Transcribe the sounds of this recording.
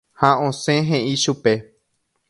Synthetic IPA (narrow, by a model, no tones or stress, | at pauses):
haõsẽɦẽʔĩʃupe̞